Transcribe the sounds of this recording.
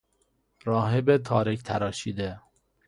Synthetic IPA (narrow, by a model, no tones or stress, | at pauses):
ɾɒːɦebet̪ʰɒːɾekt̪ʰæɾɒːʃiːd̪e